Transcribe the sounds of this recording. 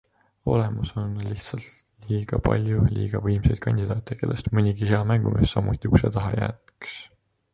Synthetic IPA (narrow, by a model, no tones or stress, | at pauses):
o̞le̞muso̞nliht̪sɑlt̪ | liːɡ̥ɑpɑ̰lʲjulḭːɡ̥ɑvɤjmse̞jd̥̪̚kɑnʲd̪̥ʲid̪ɑːt̪ːˑeke̞lʔest̪mɤnʲiɡiheɑmæŋɡ̥umʔisːɑmut̪ʲːˑiukset̪ɑɦɑjæ̰ːt̪ks